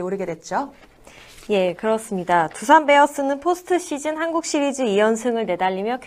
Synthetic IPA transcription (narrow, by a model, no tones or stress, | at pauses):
oɾɯɡe̞dwe̞t̚t͡ɕ͈o | je̞kɯɾʌs͈ɯmɲidatusʰanbe̞ʌs͈ɯnɯnpʰosʰɯ̥tʰɯɕ͈ʰid͡ʑɯnhanɡuk̚ɕ͈iɾid͡ʑɯijʌnsʰɯŋɯɭne̞daʎːimjʌkʰ